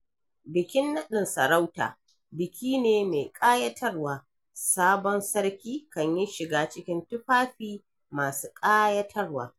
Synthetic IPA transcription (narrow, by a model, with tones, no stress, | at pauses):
bɪ˨kʲɪ˦nːɐ˦ɗɪ˨nsɐ˨ɾa˦wta̰ː˨ | bɪ˨kʲiː˦neː˨me˨kʼaː˦jɐ˦tʰɐ˦rwaː˨ | saː˦bɔ˦nsɐ˦ɽkʲiː˦kɐ˨ɲjɪ˦ʃɪ˨ɡaː˦t͡ʃɪ˦kʲɪ˦ntʊ˦ɸaː˦ɸiː˦ | maː˨suː˦kʼaː˦jɐ˦tʰɐ˦rwa̰ː˨